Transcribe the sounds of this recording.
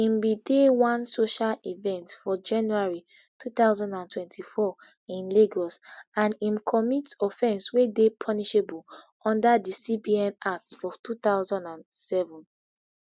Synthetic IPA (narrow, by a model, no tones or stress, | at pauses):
ĩmbidewɔ̃nsoʃalivɛ̃ntfɔd͡ʒãnjuaɹi | tʰut̪aʊzɔ̃ndãntʰwɛ̃ntʰifɔ | ĩnleɡɔsãnĩmkʰɔmitɔfɛ̃nswedepʰɔniʃebul | ɔ̃ndadisibiɛ̃nak̚tfɔtut̪aʊzɔ̃ndãnsɛvɔ̃n